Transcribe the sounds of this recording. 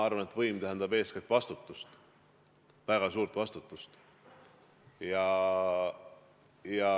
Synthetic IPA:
ɑrvɑne̞t̪ːˑvɤjmt̪æɦænd̪ɑbe̞ːsket̪ːvɑst̪ut̪ːˑust̪ | væɡ̥ɑsuːɾt̪vɑst̪ut̪ːˑust̪ | jɑ | jɑ

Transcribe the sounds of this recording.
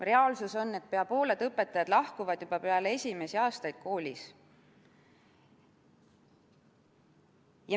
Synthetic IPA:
re̞ɑlsuso̞nːe̞t̪̚peɑpo̞ːle̞d̪̥ɤpːˑe̞t̪ːˑɑjɑd̪̥lɑhkuvɑd̪̥jub̥ɑpeɑlee̞sʲime̞siɑːst̪ɑjd̪̥̚kʰo̞ːlʲis | jɑ

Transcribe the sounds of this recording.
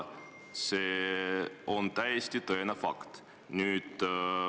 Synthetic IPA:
se | ont̪æjest̪it̪ɤenefɑ̰kt̪ | nyːt̪

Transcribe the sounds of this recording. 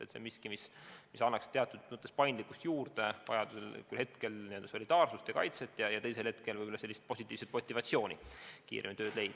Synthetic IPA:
et̪sḛmiskimismisɑnːɑkst̪e̞ɑt̪ːˑud̪̥mut̪ːˑespɑjnd̪likːˑust̪juːrd̪̥e̞vɑ̰jɑd̪̥uselkylhe̞t̪ke̞lnieø̞ld̪̥ɑso̞lʲid̪̥ɑːrsust̪jɑkɑ̰jt̪se̞t̪ːˑjɑjɑt̪ejse̞lhe̞t̪̚ke̞lvɯjbolɑse̞lːist̪̚po̞sit̪ʲːˑiːvset̪̚mo̞t̪ʲːˑivɑt̪sio̞ːnʲikḭːɾemit̪ø̞ːd̪le̞jd̪̥

